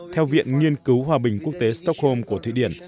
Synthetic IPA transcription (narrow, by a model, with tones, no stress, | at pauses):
t̪ʰɛ˧wvḭ˧˨ənŋi˧ənkɨ˨˦wɦwaː˨˩ɓï˨˩ŋ̟ku˦˥ək̚t̪e˨˦st̪ɔ˦˥k̚ho˧mku˧˩ət̪ʰḭ˧˨ɗi˧˩ən